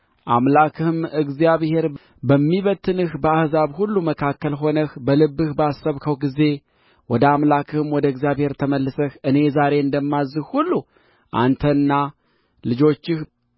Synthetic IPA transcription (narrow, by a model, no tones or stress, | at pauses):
ʔamlakʰɨhɨmɨɡzijaβhe̞ɾ | bəmːiβət̪ʰːɨnɨhbəahzaβhulːuməkʰakːəlɦo̞nəxbəlɨbːɨhbasːəβkʰəwɡize̞ | wɔd̪əamlakʰɨhɨmwɔd̪əɨɡzijaβhe̞ɾt̪ʰəməlːɨsəhɨne̞zaɾe̞ɨnd̪əmːazːɨhhulːu | ʔa̰nt̪ʰənːa | lɨd͡ʒo̞t͡ʃːɪh